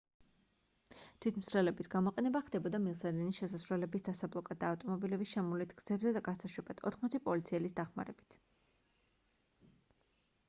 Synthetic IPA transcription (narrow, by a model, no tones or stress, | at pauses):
t̪ʰwit̪ʰmsɾɛlɛbisɡamɔqʼɛnɛbaχd̪̥ɛbɔd̪amilˠsad̪iniʃɛsasvɾwɛlɛbisd̪asablˠɔkʼad̪aːft̪ʼɔmɔbilɛbisʃɛmulit̪ʰɡ̥z̥ɛbzɛd̪aɡasaʃwɛbad̪̥ʰɔ̰t̪ʰχmɔt̪sʰipʼɔlit̪sʰiɛlisd̪aχma̰ɾɛb̥i̥t̪ʰ